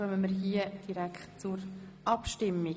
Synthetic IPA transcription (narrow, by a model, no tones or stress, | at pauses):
œməməɾɦiəd̥iɾækχtt͡suɾ | ʔɑpʃtɪmːi